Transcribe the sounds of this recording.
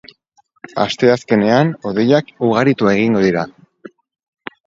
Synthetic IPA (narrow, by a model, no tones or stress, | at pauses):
a̰st̪e̞aske̞ne̞ano̞ðe̞jakuɣ̞aɾit̪uae̞ɣ̞iŋɡo̞ðiɾa